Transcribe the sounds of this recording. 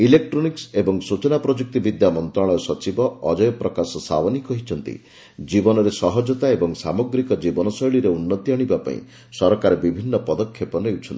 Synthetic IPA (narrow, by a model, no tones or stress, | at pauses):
ilek̚ʈɾɔniksebɔŋsut͡ʃɔnapɾɔd͡ʒuk̚t̪ibid̪jamɔnt̪ɾɔɭɔjɔsɔt͡ʃibɔɔd͡ʒɔjɔpɾɔkasɔsa̰wɔnikɔɦit͡ʃʰɔnt̪ḭ | d͡ʒibɔnɔɾesɔɦɔd͡ʒɔt̪aebɔŋsa̰moɡɾikɔd͡ʒibɔnɔsɔjɭiɾeunːɔt̪iaɽ̃ibapa̰ḭ̃ | sɔɾɔkaɾebibʱinːɔpɔd̪ɔkʰːjepɔnewt͡ʃʰɔnt̪i